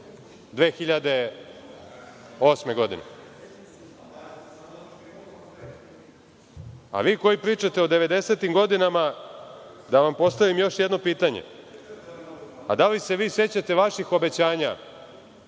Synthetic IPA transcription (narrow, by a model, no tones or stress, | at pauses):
d̪ʋe̞ːxiʎad̪e̞ | o̞sme̞ɡo̞d̪inḛ | a̰ʋiːko̞jipɾiːt͡ʃat̪eod̪e̞ʋe̞d̪e̞se̞t̪imɡo̞d̪inama | d̪aʋampo̞st̪aʋimjo̞ʃjed̪no̞piːt̪aɲḛ | a̰d̪alise̞ʋiːse̞t͡ɕat̪e̞ʋaʃixo̞be̞t͡ɕaːɲa